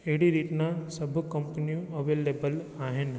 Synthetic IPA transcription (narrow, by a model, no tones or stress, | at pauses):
eɽiɾiʈnasɐbʱkə̃mpəniũɐʋeːleːbəlaːɦɪn